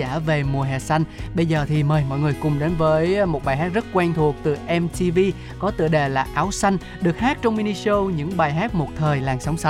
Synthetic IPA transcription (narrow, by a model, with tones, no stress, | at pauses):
aː˧˩ve˨˩mu˨˩əɦɛ̰˨˩sa˧jŋ̟ɓə˧jzəː˨˩t̪ʰi˨˩məː˨˩jmɔ̰˧˨jŋɨ˨˩əjkʊ˨˩ŋ͡mɗe˨˦nvəː˨˦jmo˨˩t̚ɓaː˨˩jɦa˦˥t̚zə˦˥t̚kwɛ˧ŋt̪ʰu˨˩ək̚t̪ɨ˨˩ʔɛ˧mt̪i˧vi˧ | kɔ˨˦t̪ɨ̰˧˨əɗe˨˩laː˨˩ʔaː˨˦wsa˧jŋ̟ | ɗɨ˨˩ək̚haː˦˥t̚t͡ɕɔ˧wŋ͡mmi˧ni˧so˧wɲɨ̰˧˥ŋɓaː˨˩jɦaː˦˥t̚mo˨˩t̚t̪ʰəː˨˩jlaː˨˩ŋsa˨˦wŋ͡msa˨˦